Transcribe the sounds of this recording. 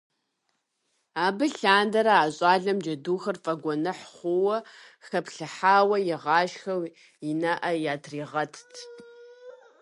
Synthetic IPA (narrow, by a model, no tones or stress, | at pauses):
aːbɨɬaːndɐɾɐaːɕʼaːɮɐmd͡ʒɐduːxɐrfʼɐɡʷɔnɨħχʷʊwɐxɐpɬɨħaːwɐjɪʁɑːʃxɐw | ɪnɐʔɐjaːtʰriːʁɐtʰtʰ